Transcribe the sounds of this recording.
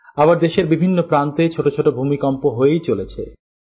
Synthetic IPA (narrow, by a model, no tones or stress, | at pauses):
abaɾd̪eʃeɾbibʱinːopɾant̪et͡ɕʰoʈot͡ɕʰoʈobʱumikɔmpoɦoejt͡ɕolet͡ɕʰḛ